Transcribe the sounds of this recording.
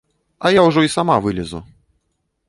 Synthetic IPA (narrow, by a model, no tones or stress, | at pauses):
ɐjawʐɔisamavɨlʲɛzṵ